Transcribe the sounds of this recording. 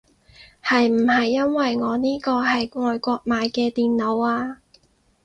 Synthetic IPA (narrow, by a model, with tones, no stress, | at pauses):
hɐ˨jm̩˨˩hɐ˨jːɐ˥nwɐ˨jŋɔː˨˧niː˥kɔː˧hɐ˨jŋɔː˨jkʷɔː˧k̚maː˨˧jkɛː˧t̪iː˨nlo˨˧waː˧